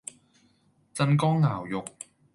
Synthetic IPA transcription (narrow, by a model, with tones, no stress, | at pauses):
t͡sɐ˧nkɔː˥ŋːaː˨˩wjʊ˨k̚